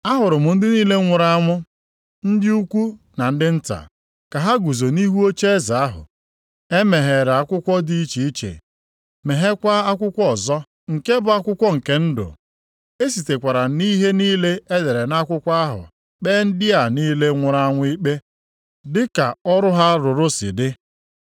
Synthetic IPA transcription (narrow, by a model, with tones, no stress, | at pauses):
a˦ɦʊ˨ɾʊ˨mʊ˨n̩˦dɪ˦niː˦le˦ŋʷʊ˨ɾa˦ŋʷʊ˦ | n̩˦dɪ˦u˦kʷu˦na˨n̩˦dɪ˦n̩˦ta̰˨ | ka˨ɦa˦ɡu˨zo˨ni˦ɦu˦o˦t͡ʃe˦e˦za˨a˦ɦʊ̰˨ | e˦me˨ɦe˨ɾa˨a˦kʷʊ˦kʷɔ˦di˦i˦t͡ʃi˨i˦t͡ʃḛ˨ | me˨ɦe˦kʷa˦a˦kʷʊ˦kʷɔ˦˨zɔ˦ | ŋ̩˨ke˦bʊ˨a˦kʷʊ˦kʷɔ˦ŋ̩˨ke˦n̩˦dʊ̰˨ | e˦si˨te˨kʷa˨ɾa˨ni˦ɦe˦niː˦le˦e˦de˨ɾe˨na˦kʷʊ˦kʷa˦ɦʊ̰˨ | k͡pe˦n̩˦dɪ˦a˨niː˦le˦ŋʷʊ˨ɾa˦ŋʷʊ˦i˦k͡pe˦ | dɪ˦ka̰˨ɔ˦ɾʊ˦ɦa˦ɾʊ˨ɾʊ˦sɪ̰˨dɪ˦